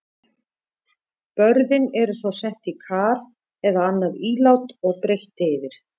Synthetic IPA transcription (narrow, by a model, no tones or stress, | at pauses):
pœɾðɪnɛɾʏsvɔsɛht̪ikʰaːɾ | ɛðaanːaðiːlawt̪ɔɣpɾejht̪ejðɪɾ̥